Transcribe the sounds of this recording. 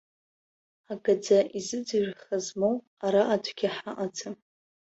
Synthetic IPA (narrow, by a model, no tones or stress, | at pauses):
aɡad͡zaʔizɨd͡zɨʒχazmow | aɾaʔatʷʰɡʲaħaʔat͡sʰɨm